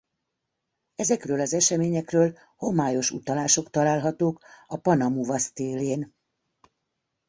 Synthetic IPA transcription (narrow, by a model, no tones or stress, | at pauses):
ɛzɛkrøːlɒzɛʃɛmeːɲɛkrøːl | ho̞maːjo̞ʃṵt̪ɒlaːʃo̞kt̪ɒlaːlɦɒt̪oːkɒpɒnɒmuvɒst̪eːleːn